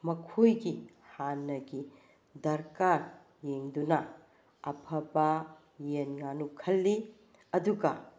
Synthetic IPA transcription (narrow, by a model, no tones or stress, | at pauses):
mɐkʰojɡi | hanːɐɡi | dɐɾkaɾ | jeŋdunɐ | ɐpʰɐbɐ | jenŋanukʰɐlːi | ɐduɡɐ